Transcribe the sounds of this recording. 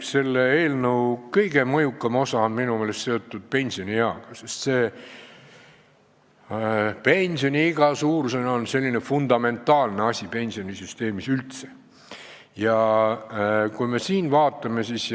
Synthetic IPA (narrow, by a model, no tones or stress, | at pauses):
se̞lːeeːlnəwkɤjɡ̥e̞mɤjukːˑɑmo̞sɑonminumeːlest̪se̞o̞t̪ːˑud̪̥̚pe̞nʲsio̞nʲijɑɡ̥ɑsest̪se̞ː | pe̞nʲsio̞nʲiiɡ̥ɑsuːɾsenɑonse̞lʲːine̞fund̪̥ɑme̞nt̪ːˑɑːlneɑsʲipe̞nʲsio̞nʲisyst̪e̞ːmisylt̪se̥ | jɑ | kujme̞siːnvɑːt̪ːˑɑme̞sis